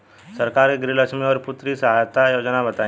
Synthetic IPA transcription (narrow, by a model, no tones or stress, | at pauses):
sɐɾkaːɾkeɡɾiləkʃmeɔːɾpʊt̪ɾisɐɦaːjt̪ajoːd͡ʒnabɐt̪aːẽ